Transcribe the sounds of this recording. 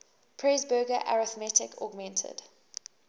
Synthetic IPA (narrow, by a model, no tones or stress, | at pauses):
pʰɹɛzbəːɡəʔa̰ɹɪθmɛtɪkʰɔ̰ɡmɛ̃ntʰə̰d̥